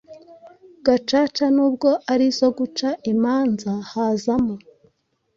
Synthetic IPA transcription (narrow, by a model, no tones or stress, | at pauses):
ɡ̥at͡ʃaːt͡ʃanuːb̚ɡo̞ʔaɾizo̞ɡut͡ʃaʔimaːnzahazamo